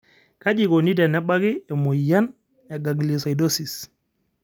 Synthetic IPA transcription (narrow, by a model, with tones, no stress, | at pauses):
ka˦d͡ʒi˨ko˨ni˦tɛ˨nɛ˦ɓa˦kiɛ˨mɔ˨ja˦n | ɛ˨ɡa˨ɡli˨sa˨jdo˦sis